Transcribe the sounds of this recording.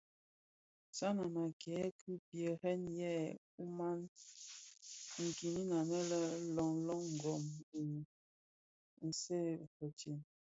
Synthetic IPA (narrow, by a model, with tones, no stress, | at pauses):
sa˦na˨na˨kɛ˨˦kʰi˦pjə˨hɛ˦njɛ˦˨ | u˦ma˦n | ŋ̩˨ki˨ni˦na˨nɛ˦lə˦lɔ˨ŋlɔ˦ŋŋ̩˨ɡɔ˨mbi˨ | n̩˨se˦˨pə˨t͡ʃi˨n